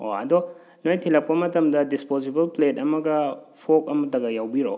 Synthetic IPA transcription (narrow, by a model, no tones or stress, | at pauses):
o̰ɐ̰dɔ | nojtʰilɐp̚kɐmɐtɐmdɐdispozibɐlplet̚ɐmɐɡɐpʰok̚ɐmɐtɐɡɐjawbiɾo̰